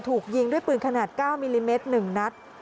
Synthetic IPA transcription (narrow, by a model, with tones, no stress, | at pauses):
t̪ʰuː˨˩k̚ji˧ŋdu˥˩əjpɯː˨˩nkʰa˧naː˨˩t̪̚kaː˥˩wmiː˧liː˧meː˦˥t̪̚nɯ˨˩ŋna˦˥t̪̚